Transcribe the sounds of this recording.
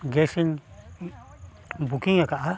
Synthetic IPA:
ɡeʂin | bukiɲãkaʔa

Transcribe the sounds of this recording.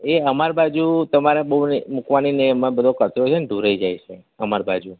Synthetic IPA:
eəmaɾbad͡ʒut̪əmaɾebəɦunmukʋaninemãbəd̪ʱokət̪ɾot͡ʃʰeneɖʱuɾəid͡ʒajt͡ʃʰe | əmaɾbad͡ʒu

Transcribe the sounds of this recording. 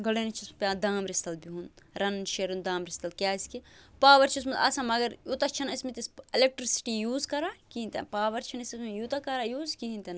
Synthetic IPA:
ɡɐlenit͡ʃʰispʲad̪aːmɾist̪ɐlbiɦun | ɾɐnʃeɾund̪aːmɾist̪ɐlkʲaːskipaːʋɐɾt͡ʃʰis̬mɐlɐ̰sãmɐɡɐɾjut̪ɐt͡ʃʰɐnɐsmit̪iselek̚ʈɾisi̥ʈijuːzkɐɾakiɦinʲt̪ḛnpaːʋɐɾt͡ʃʰɐnɐsismejut̪ɐkɐɾajuːzkiɦint̪en

